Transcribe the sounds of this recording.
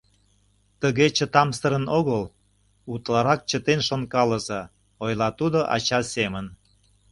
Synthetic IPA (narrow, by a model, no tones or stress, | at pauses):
t̪əɣet͡ɕət̪ɑmsəɾənoɣəl | ut̪lɑɾɑk̚t͡ɕət̪enʃonkɑlə̆zɤ | ojlɑt̪ud̪oʔɑ̰t͡ɕɑsemən